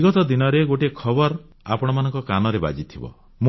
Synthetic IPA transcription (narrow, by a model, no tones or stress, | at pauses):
ɡɔt̪ɔd̪inɔɾeɡoʈekʰɔbɔɾ | apɔɽ̃ɔmanɔŋkɔkanɔɾeba̰d͡ʒit̪ʰibɔ̰ | m